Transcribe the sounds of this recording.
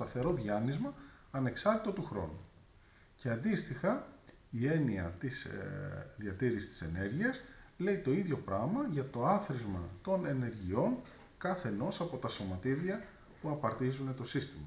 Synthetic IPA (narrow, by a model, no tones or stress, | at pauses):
st̪ɐθe̞ɾo̞ðʝɐnizmɐː | ne̞ksɐɾt̪i̥t̪o̞t̪uxɾo̞̰nu | ce̞ɐnd̪ist̪ixɐ | ie̞niɐ̰t̪is | ðʝɐt̪iɾisi̥st̪i̥se̞ne̞ɾʝiɐsle̞it̪o̞iðʝo̞pɾɐmɐʝɐt̪o̞ɐθɾizmɐ̰t̪o̞ne̞ne̞ɾʝio̞ŋ | kɐθe̞no̞sɐpo̞t̪ɐso̞mɐt̪iðiɐ | puɐpɐɾt̪izune̞t̪o̞sist̪imɐ